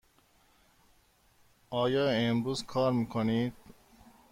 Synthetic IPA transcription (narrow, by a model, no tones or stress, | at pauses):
ɑːjɑːembuːzkʰɑːɾmikʰoniːd̪̥